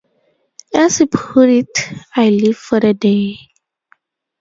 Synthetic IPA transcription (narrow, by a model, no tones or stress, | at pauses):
ɛsipʰuɾitajliv̥fɔdəde